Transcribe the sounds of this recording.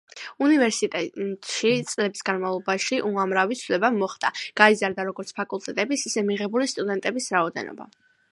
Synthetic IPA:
univɛɾsit̪ʼɛt̪ʼʃit̪sʼlɛbisɡanmavlˠɔbaʃiʔuamɾavit̪sʰvlɛbamɔχd̪aɡ̥aizaɾd̪aɾɔɡɔɾt̪sʰpʰakʼulˠt̪ʼɛt̪ʼɛbisisɛmiʁɛbulist̪ʼud̪ɛnt̪ʼɛbisɾaɔd̪ɛ̰nɔ̰ba̰

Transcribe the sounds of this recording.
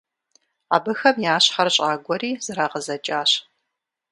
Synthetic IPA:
aːbɨxɐmjaːɕχɐrɕʼaːɡʷɔɾiːz̥ɨɾaːʁəzɐt͡ʃʼaːɕ

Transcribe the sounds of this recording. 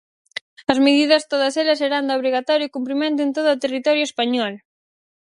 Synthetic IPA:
ɐzmeðiðɐst̪oðɐselɐseɾand̪oβɾiɣat̪ɔɾjokumpɾimẽnt̪ʊent̪oðːt̪erit̪ɔɾjʊespaɲɔl

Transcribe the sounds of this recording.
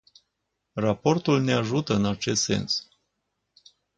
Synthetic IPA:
rapo̞rt̪ulne̞aʒut̪əɨnat͡ʃe̞st̪se̞̰ns

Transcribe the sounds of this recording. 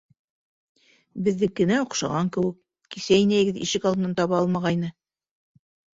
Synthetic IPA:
bɘ̆ðːɘkːɘ̆næŏqʃɑ̰ʁɑŋkɘ̆wɘkː | isæjnæj̆ɡɘðḭʃɘkɑlˠɤ̆nɑnt̪ɑβɑɑlˠmɑʁɑjnɤ

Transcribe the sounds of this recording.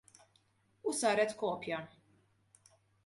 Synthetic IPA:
usɐːɾɛt̪kɔːpjɐ

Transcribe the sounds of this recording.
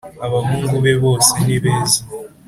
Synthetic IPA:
aβaɦuːŋɡuβeβoːseniβeːza

